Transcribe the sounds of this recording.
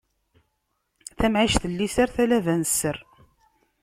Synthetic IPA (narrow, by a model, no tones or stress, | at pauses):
θæmʕiʃθəlːisaɾθælævænəsːəɾ